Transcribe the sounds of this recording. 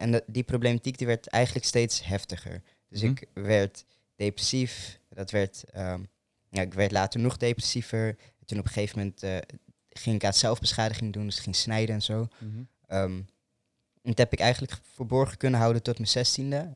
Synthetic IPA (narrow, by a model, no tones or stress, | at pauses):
ɛndiprowblematikdiʋɛɹtɛ̰jχənləkstejtsɦɛftəχə̰ɹ | d̥øsɪkʋɛɹt | d̥ejprɛsifdɑtʋɛɹtə | naɪkʋɛɹtlaːtəɹnɔχdejprɛ̥sivəɹ | tunɔpə̥χejvəmɛntː | χɪŋɪkaːtsɛlˠvbəsχaːdəχɪŋdundʏsɪkχɪŋsnɛjdənɛnzow | əm | ɛntɦɛpɪkɛjχən̩ləkfəɹbɔɹχəkɵnənɦɑwdəntɔtməzɛstində